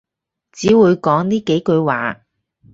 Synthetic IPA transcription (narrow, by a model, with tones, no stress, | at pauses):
t͡siː˨˥wuː˨˧jkɔː˨˥ŋniː˥ke˨˥jkɵ˧ɥwa̰ː˨˥